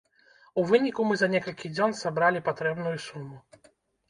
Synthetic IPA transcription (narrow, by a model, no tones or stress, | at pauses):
uvɨnʲikumɨzɐnʲɛkɐlʲkʲid͡zʲɔnsabɾalʲipat̪ɾɛbn̪ujusumu